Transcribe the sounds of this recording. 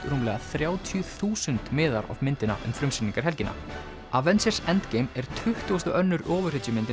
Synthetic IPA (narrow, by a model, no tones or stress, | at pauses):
t̪ɾuːmlɛɣaθɾjaːwt̪ʰjʏθuːsʏnt̪mɪːðaɾɔ̰vmɪnt̪ɪna̰ʔʏ̰mfɾʏmsɪniŋkaɾ̥ɦɛlcɪnʔa̰ | avɛnt̪sɛɾsɛnt̪cejmɛɾ̥t̪ʰʏht̪uʏst̪ʏʔœnːʏɾɔːvʏr̥ɪt̪ʏmɪnt̪ɪ